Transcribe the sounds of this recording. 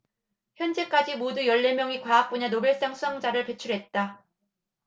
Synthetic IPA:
çjʌnd͡ʑe̞k͈ad͡ʑimodujʌɭːe̞mjʌŋikwaːk̚p͈oɲanobjʌɭs͈aŋsʰusʰaŋd͡ʑaɾɯɭpe̞t͡ɕʰuɭɦe̞t̚t͈a

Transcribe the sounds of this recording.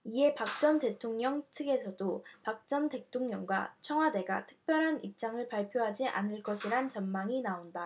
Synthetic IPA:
ie̞pak̚t͡ɕ͈ʌnte̞tʰoŋɲʌŋtʰɯɡe̞sʰʌdopak̚t͡ɕ͈ʌnte̞tʰoŋɲʌŋɡwa̰t͡ɕʰʌŋɦwade̞ɡa̰tʰɯ̥k̚p͈jʌɾɦanip̚t͡ɕ͈aŋɯɭpaɭpʰjoɦad͡ʑiʔa̰nɯɭk͈ʌɕʰiɾant͡ɕʌnmaŋinaonda

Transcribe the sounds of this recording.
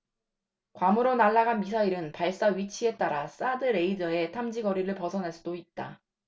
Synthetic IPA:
kwamuɾonaɭːaɡanmisʰaiɾɯnpaɭs͈aɥit͡ɕʰie̞t͈aɾas͈adɯɾe̞id͡ʑʌe̞tʰamd͡ʑiɡʌɾiɾɯɭpʌsʰʌnɦaɭs͈udoit̚t͈a

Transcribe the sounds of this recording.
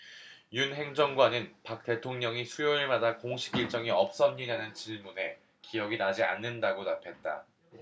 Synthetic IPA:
junɦe̞ŋd͡ʑʌŋɡwanɯnpak̚t͈e̞tʰoŋɲʌŋisʰujoiɭmadakoŋɕʰi̥k͈iɭt͡ɕ͈ʌŋiʌp̚s͈ʌmɲidanɯnt͡ɕiɭmune̞ | kijʌɡinad͡ʑia̰nːɯndaɡonapʰe̞t̚t͈a̰

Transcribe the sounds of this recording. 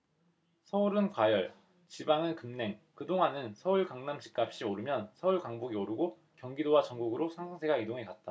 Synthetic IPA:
sʰʌuɾɯnkwajʌɭ | t͡ɕibaŋɯnkɯmne̞ŋkɯdoŋɦanɯnsʰʌuɭkaŋnamt͡ɕi̥k̚k͈ap̚ɕ͈ioɾɯmjʌnsʰʌuɭkaŋboɡioɾɯɡo | kjʌŋɡidowat͡ɕʌŋɡuɡɯɾosʰaŋsʰʌŋsʰe̞ɡaidoŋɦekat̚t͈a

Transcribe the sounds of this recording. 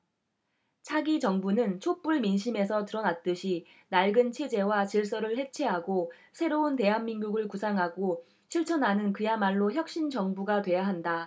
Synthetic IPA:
t͡ɕʰaɡit͡ɕʌŋbunɯnt͡ɕʰop͈uɭminɕʰime̞sʰʌtɯɾʌnat̚t͈ɯɕʰi | naɭɡɯnt͡ɕʰe̞d͡ʑe̞wat͡ɕiɭs͈ʌɾɯɭhe̞t͡ɕʰe̞ɦaɡo | sʰe̞ɾounte̞ɦanːinɡuɡɯɭkusʰaŋɦaɡo | ɕʰiɭt͡ɕʰʌnanɯnkɯjamaɭːoçjʌk̚ɕ͈int͡ɕʌŋbuɡatwe̞jaɦanda

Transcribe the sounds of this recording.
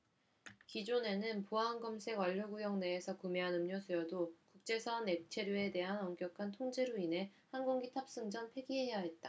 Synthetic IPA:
kid͡ʑone̞nɯnpuɦanɡʌmsʰe̞ɡʌʎːoɡujʌŋne̞ːsʰʌkumeɦanɯmɲosʰujʌdokuk̚t͡ɕ͈e̞sʰʌne̞k̚t͡ɕʰe̞ɾjoe̞de̞ɦanʌŋɡjʌkʰantʰoŋd͡ʑeɾoinɦe̞hanɡoŋɡitʰap̚s͈ɯŋd͡ʑʌnpʰe̞ɡiɦe̞jaɦe̞t̚t͈a

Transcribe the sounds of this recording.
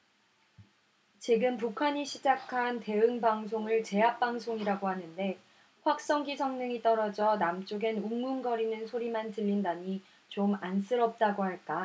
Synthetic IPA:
t͡ɕiɡɯnp̬ukʰaɲiɕʰid͡ʑakʰante̞ɯŋbaŋsʰoŋɯɭt͡ɕe̞ap̚p͈aŋsʰoŋiɾaɡohanɯnde̞ | ɸwak̚s͈ʌŋɡisʰʌŋnɯŋit͈ʌɾʌd͡ʑʌnamt͡ɕ͈oɡe̞nuŋunɡʌɾinɯnsʰoɾimantɯʎːindaɲi | t͡ɕomans͈ʰɯɾʌp̚t͈aɡoɦaɭk͈a

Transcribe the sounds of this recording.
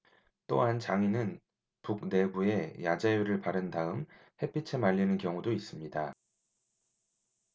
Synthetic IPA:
t͈oɦant͡ɕaŋinɯn | puk̚ne̞bue̞jad͡ʑajuɾɯɭpaɾɯndaɯm | he̞p͈ʰit͡ɕʰe̞maʎːinɯnkjʌŋudois͈ɯmɲida

